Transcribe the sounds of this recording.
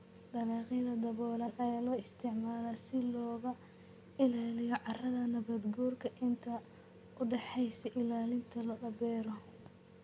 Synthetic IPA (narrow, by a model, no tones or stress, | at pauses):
d̪ɐlɑːqɪðɐd̪ɐβɔːlɐnɐjaːlɔːɪst̪ʰɪʕmaːlasɪlɔːɣɐ | ɪlaːlɪjɔʕɑrɐðɐnɐβɐd̪ɡɔːrkʰɐʔɪnt̪ʰɐ | ʊɖɛħɛjsɛʔɪlaːlɪnt̪ʰɐlɐʔɐbɛːɾɔ